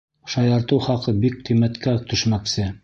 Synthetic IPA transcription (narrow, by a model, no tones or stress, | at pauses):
ʃɑjɑɾt̪ɤwχɑqɤbik̚qimæt̪kæt̪ɵ̆ʃmæksɘ